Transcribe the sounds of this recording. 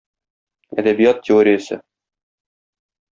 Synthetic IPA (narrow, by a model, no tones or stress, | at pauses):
æ̰d̪æbijɑt̪ːʲɪoɾʲɪjəsɘ̰